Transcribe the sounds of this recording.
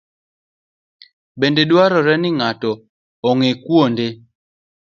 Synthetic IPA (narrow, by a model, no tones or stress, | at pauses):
bendedwaɾɔɾɛnɪŋatɔː | ŋekwonde